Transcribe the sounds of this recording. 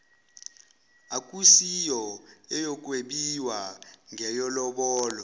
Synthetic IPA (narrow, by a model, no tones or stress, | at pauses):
akʼusijɔɛjɔk̬ʼweɓiwaŋɛjɔlɔɓɔːlɔ